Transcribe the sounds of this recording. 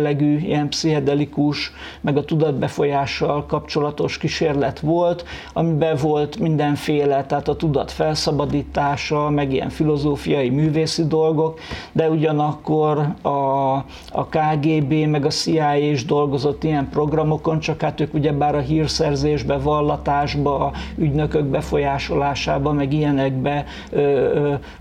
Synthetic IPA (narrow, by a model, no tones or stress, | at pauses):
lːɛɡyːḭjɛnpsiɦɛd̪ɛlikuʃ | mɛɡɒt̪ud̪ɒd̪̚bɛfo̞jaːʃːɒlkɒpt͡ʃo̞lɒt̪o̞ʃkiʃeːrlɛt̪ʋo̞lt̪ | ɒmibɛvo̞lt̪mind̪ɛɱfeːlɛt̪ɛɦaːt̪ɒt̪ud̪ɒ̰t̪fɛlsɒbɒd̪iːt̪aːʃɒlmɛɡijɛ̰ɱfilo̞zoːfijɒimyːveːsid̪o̞lɡo̞kd̪ɛuɟɒnɒkːo̞rɒ̰ː | kaːɡeːbeːmɛɡɒsiaːjeʒd̪o̞lɡo̞zo̞t̪ːijɛmpro̞ɡrɒmo̞ko̞nt͡ʃɒkhat̪øːkuɟɛbaːɾɒɦiːrsɛrzeːʒbɛvɒlːɒt̪aːʒbɒyɟnø̞køɡ̚bɛfo̞jaːʃo̞laːʃaːbɒmɛɡijɛnɛɡbɛ | øː